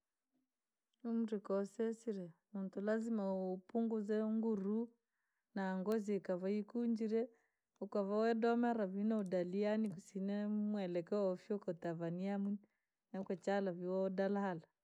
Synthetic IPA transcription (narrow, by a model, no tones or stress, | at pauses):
umuɾikɔsɛsiɾɛmuntulazimapuŋɡuzɛŋɡuɾu | naːŋɡɔzikaβaikuɲd͡ʒiɾɛ | ukaβawɛdɔmaɾaβinɔudalianikusinɛmwɛlɛkɛɔfiɔkɔtavaniamun | nakwɛt͡ʃalaviwɔdalahala